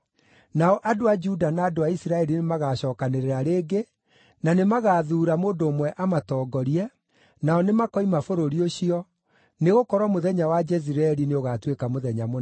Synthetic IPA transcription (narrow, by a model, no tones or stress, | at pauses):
naɔʔadoad͡ʒudanaːdoaisiɾaɛɾinemaɣaɕɔːkaneɾeɾaɾeːɡe | nanemaɣaːðuːɾamoːndoːmwɛʔamatɔːɡɔɾiɛ | naɔnemakɔimafoɾoɾioɕiɔ | neɣokɔɾwɔmoðɛɲawad͡ʒɛziɾaɛɾineoɣatwekamoðɛɲamo